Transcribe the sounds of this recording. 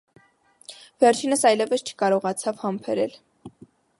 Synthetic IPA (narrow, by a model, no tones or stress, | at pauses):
vɛrt͡ʃʰinəsɑjlɛvəst͡ʃʰə̥kɑɾɔʁɑt͡sʰɑvhɑmpʰɛɾɛl